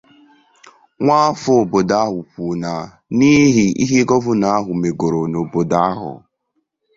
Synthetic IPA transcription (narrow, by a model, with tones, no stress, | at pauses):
ŋʷaː˦fʊ˦o˨bo˨da˦ɦʊ˨kʷu˨na˨ | ni˦ɦi˨ḭ˦ɦi˦ɡɔ˦vʊ˦na˨˦a˦ɦʊ˨me˨ɡo˨ɾo˨no˨bo˨da˦a˦ɦʊ̰˨